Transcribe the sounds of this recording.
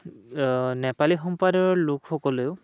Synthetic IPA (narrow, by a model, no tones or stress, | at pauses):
nɛpalixɔmpadɔɹlʊkxɔkɔleʊ